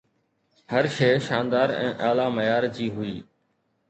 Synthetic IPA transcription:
həɾʃeːʃaːnd̪aːɾɛ̰̃ːʔaːlaːməjaːɾd͡ʑiːɦʊiː

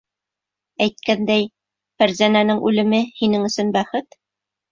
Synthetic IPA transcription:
æjt̪̚kænd̪æj | fæɾzænænɘŋʔʉlɘ̆mɘhinɘŋɵ̆sɵ̆nbæχɘt̪

